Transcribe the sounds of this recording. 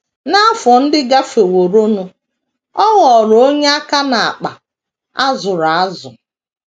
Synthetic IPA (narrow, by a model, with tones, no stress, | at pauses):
na˦fɔ˨n̩˦dɪ˦ɡa˦fe˨wo˨ɾo˦nu˨˦ | ɔ˦ɣɔ˨ɾo˦ɲe˦a˦ka˦na˨a˨k͡pa̰˨ | a˦zʊ˨ɾa˨a˦zʊ˨